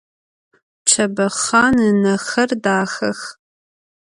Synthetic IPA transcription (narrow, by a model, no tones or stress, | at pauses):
t͡ʃʰɐbɐχaːnɨnɐxɐrdaːxɐx